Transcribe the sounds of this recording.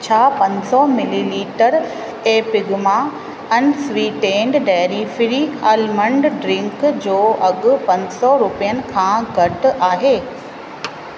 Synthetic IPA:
t͡ɕʰaːpɐ̃ɲsɔmɪliliːʈəɾ | eːpɪɡma | ɛnɪ̆swiːʈẽːɳɖɖaːɾifɪɾialmə̃ɳɖɖɾɪ̃ŋkd͡ʑoːʔɐɠʊ̆pɐ̃ɲsɔɾʊpijənɪ̆kʰãːɡʱɐʈʊ̆aːɦeː

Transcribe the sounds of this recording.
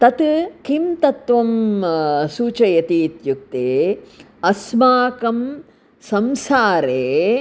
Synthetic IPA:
t̪ɐt̪kimt̪ɐt̪ʋɐm | suːt͡ʃɐjɐt̪iːt̪juk̚t̪eː | ɐsmaːkɐm | sɐmsaːɾeː

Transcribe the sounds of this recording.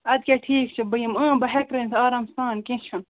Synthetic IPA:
ɐd̪̚keʈʰiːkt͡ʃʰibɐjimə̃ːbɐɦekɾɐːnt̪ʰaːɾaːmst̪aːnkĩt͡ʃʰun

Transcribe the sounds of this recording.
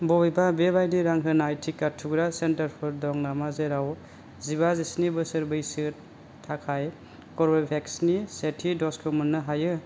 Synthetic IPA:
bɔbijbabebajniɾaŋɦɯnajtʰikːatʰːuɡɾasentaɾpʰɔɾdɔŋnamazeɾaw | ziβazisnibɯsɯɾbɯjsɯ | tʰːakʰaj | kɔɾbepʰeksnisetʰidɔskʰɯmɯnːɯɦajɯ

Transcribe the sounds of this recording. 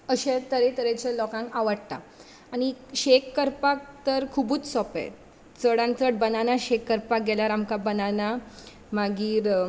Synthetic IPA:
əɕet̪əɾet̪əɾẽt͡ɕalɔkãŋkaʋəɽt̪a̰ | aɽ̃iɕekːəɾpak̚t̪əɾkʰubuːt͡ssɔpḛ | t͡səɽãnt͡səʈ̚bənanaɕekːəɾpak̚ɡɛlaɾamkabənana | maɡiːɾ

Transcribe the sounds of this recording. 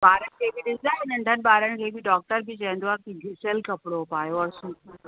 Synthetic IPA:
baːɾənkʰebʱid̪ɪd͡zaːɦenəɳɖʱənbaːɾənkʰebʱiːɖɔːk̚ʈəɾbʱit͡ɕɛ̃nd̪oakiɡʱisəlkɐpɽopaːjoɔɾsuːtː

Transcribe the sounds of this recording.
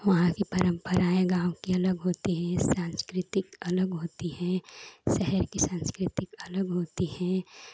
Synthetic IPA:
ʋɐɦãkipɐɾə̃mpəɾaːẽɡãːwkiɐləɡɦoːt̪iɦɛ̃sãːnskɾɪt̪ɪkɐləɡɦoːt̪iɦɛ̃ːʃɛɦɛɾkisãːnskɾɪt̪ɪkɐləɡɦoːt̪iɦɛ̃ː

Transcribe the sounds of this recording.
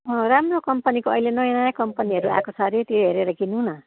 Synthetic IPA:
ʌ̃ramrokʌmpʌnikoʌilenʌjʌnajakʌmpʌniɦʌɾua̰kosʰʌɾit̪oɦeɾeɾʌɡinunʌ

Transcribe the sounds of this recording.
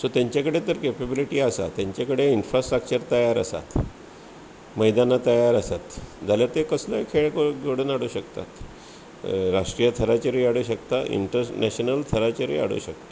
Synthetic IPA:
sot̪jaɲt͡ɕakəɽet̪əɾkepebiliʈiːasa̰t̪jaɲt͡ɕakəɽeinfɾasʈɾək̚t͡ɕəɾt̪əjaɾa̰sa̰t̪ | məjd̪anat̪əjaɾasat̪d͡zʱaljat̪ekəsləjkʰeɭkoɡoɽənaɽuɕəkt̪a̰t̪ | ɾaʂʈɾijət̪ʰəɾat͡ɕəɾiaɽuɕəkt̪aʔḭɳʈəɾnɛɕənəlt̪ʰəɾat͡ɕəɾḭa̰ɽ̤ṵːɕək̚t̪ḁ

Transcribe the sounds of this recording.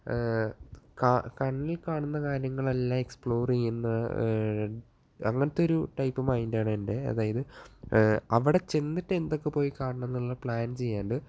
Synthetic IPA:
kaːkɐɳːilkaːɳunːɐkaːɾjɐŋːɐɭelːaːme̞kspɭo̞ːrijunːɐ | ɐŋːɐnɐt̪ːo̞ɾuʈɐjpːɐmaːjindaːɳendeɐ̰ðaːjɐðɨ | ɐʋiɽe̞t͡ɕend̪itːend̪o̞kːepo̞ːjikaːɳɐɳɐnːɐɭːɐpɭaːnt͡ɕe̞jːaːɳɖɨ

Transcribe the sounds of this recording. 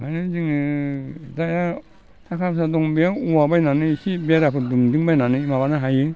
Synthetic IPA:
kʰajnɯd͡ʒiŋɯ | daja | tʰakʰapsadɔŋbiauwabajnanɯsibiaɾapʰɯdumdiŋbajnanɯimabanaɦajɯ

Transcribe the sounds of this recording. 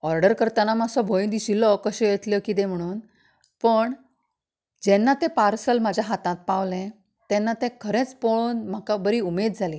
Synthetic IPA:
ɔɾɖəɾkəɾt̪anamasɔbʱojnd̪isilɔkəɕẽjet̪ljəkit̪ẽm̤əɽ̃uːn | pəɳ | d͡ʑenːat̪ẽpaɾsəlmad͡ʑʱjaɦat̪ãt̪̚paʋlẽ | t̪ɛnːat̪ẽkʰəɾẽt͡spoɭuːnm̤akabəɾiːumed̪̚d͡zʱali

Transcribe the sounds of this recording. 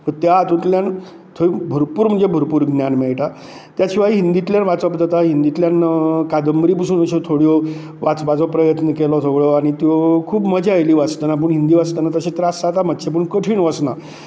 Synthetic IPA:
t̪ət̪jat̪ut̪ljan | t̪ʰoibʱuɾpuːɾm̤əɳd͡zebʱuɾpuːɾɡnʲjanmɛɭʈa | t̪jat͡ɕʰiʋaiɦind̪it̪ljanʋat͡sɔpd͡z̪at̪aɦind̪it̪ljankad̪əmbɾip̬usuːnəɕɔt̪ʰoɽjɔ | ʋat͡sbad͡zɔpɾəjət̪nəkelɔt̪ʰəɡɭɔaɽ̃it̪jɔkʰuːbməd͡ʑajliːʋat͡st̪ənap̬əɳɦind̪iːʋat͡st̪ənat̪əɕet̪əɾasat̪aməd̪t͡ɕep̬uɳkəʈʰiːɳʋəsna

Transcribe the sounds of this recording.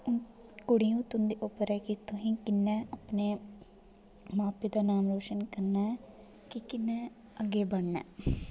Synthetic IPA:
kʊɽijũːt̪ʊnd̪iːʔʊpːəɾɛːkit̪ʊɦĩːkɪnːɛ̃əpne | maːpid̪aːnaːmɾoːʃənkəɾnaɛ | kikɪnːɛ̃ | əɡeːbəɽnɛ̰ː

